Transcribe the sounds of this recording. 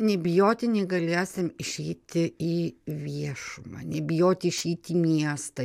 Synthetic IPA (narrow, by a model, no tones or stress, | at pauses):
nʲɛbʲɪjoːt̪ʲɪnʲɛɡɐlʲiɛsʲɪmɪʃʲɛɪt̪ʲɪiːʋʲiɛʃʊmɑ̰nʲɛbʲɪjoːt̪ʲɪɪʃʲɛɪt̪ʲiːmʲiɛst̪ɐ